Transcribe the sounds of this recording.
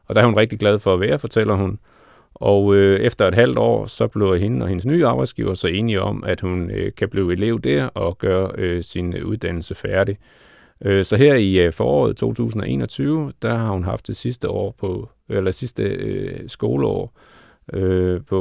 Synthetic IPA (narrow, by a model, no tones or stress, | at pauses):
ɒ̽d̥ɑæɐhunʁɛɡ̥̚d̥iɡ̥læð̞ˠfɒ̽æʋæːɐfɒ̽t͡sʰel̰ɐhun | ɒʊøefd̥ɐe̝d̥ɦæl̰d̥ɒ̰ːsɒ̽b̥le̝ʊɦenəɒ̽he̝nəsny̰ːɑ̈ːb̥ɑ̈ɪd̥sɡ̥ḭːʊɐsɒ̽e̝ːniɒ̽mæd̥hunkʰæb̥liːe̝le̝ʊ̰d̥æɐ̰ɒ̽ɡ̥ɶːɐøsinuð̞ˠd̥æn̰l̩səfæɐɾi | øsɒ̽ɦeɐ̰ifɒːɒ̰ːð̩ˠt͡sʰo̝̰ːt͡sʰṵːs̬n̩ɒ̽ʔe̝̰ːnɒ̽t͡sʰyːʊəd̥æhɑ̈hunɦɑ̈fd̥esisd̥əɒ̰ːpʰɒ | elɐsisd̥əsɡ̥o̝ːləɒ̰ː | øpʰɒ